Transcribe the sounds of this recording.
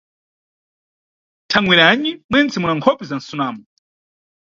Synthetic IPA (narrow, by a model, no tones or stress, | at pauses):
tʰaŋɡwiɾaɲimwɛnt͡sʰimunaŋkʰɔpizan̩sunaːmu